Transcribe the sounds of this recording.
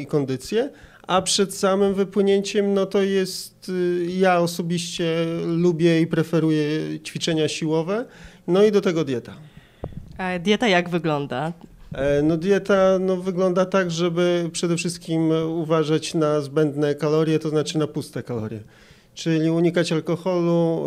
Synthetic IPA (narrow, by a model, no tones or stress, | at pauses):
ikɔnd̪ɘt̪sʲjɛ | apʂɛt̪samɘmvɘpwɘɲeɲt͡ɕɛmnɔt̪ɔjɛst̪jaɔsɔbʲiɕt͡ɕɛlubʲjɛipɾɛfɛɾujɛt͡ɕfʲit͡ʂɛɲaɕiwɔvɛ | nɔid̪ɔt̪ɛɡɔd̪ʲjɛt̪a | d̪ʲjɛt̪ajaɡvɘɡlɔnd̪a | nɔd̪ʲjɛt̪anɔvɘɡlɔnd̪at̪aɡʐɛbɘpʂɛd̪ɛfʂɘst̪̚kʲimuvaʐat͡ɕnazbɛnd̪nɛkalɔɾjɛt̪ɔznat͡ʂɘnapust̪ɛkalɔ̰ɾʲjɛ̰ | t͡ʂɘlʲiuɲikat͡ɕalkɔxɔlu